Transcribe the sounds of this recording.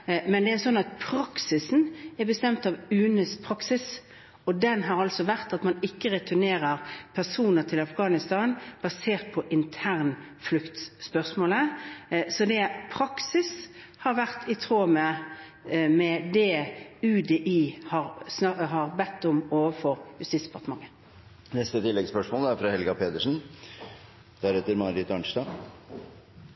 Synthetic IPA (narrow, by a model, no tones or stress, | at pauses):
mɛnd̪ɛæsɔnːɑt̪̚pʰɾɑksɪsn̩ɛɾbəst̪ɛmt̪ɑʋʉːnəspʰɾɑksɪs | ɔd̪ɛnɦɑɾɑlsɔʋæʁt̪ɑt̪mɑnɪkːəɾɛt̪ʰʉneːɾəɾpʰæsuːnəɾt̪ʰɪlɑfɡɑːnɪst̪ɑːnb̥ɑseːʁt̪̚pʰɔʔɪnt̪ʰæːʁnflʉkt̪sspœʁsmoːləsɔd̪ɛpʰɾɑksɪs | hɑɾʋæʁt̪ʰɪt̪ʰʁoːmə | mɛd̪ɛʉːd̪ɛʔiːhɑʁsɑɦɑʁbɛt̪ːʊmoːʋəfɔʁhʉst̪iːsd̪əpʰɑʁt̪əmɑŋːə | nɛst̪ət̪ʰɪlːɛɡspœʂmoːlæɾfɾɑhɛlɡɑpʰeːd̪əʂn̩ | d̪̥æɾhɛt̪ːəɾmɑːɾɪt̪ɑɳʂt̪ɑ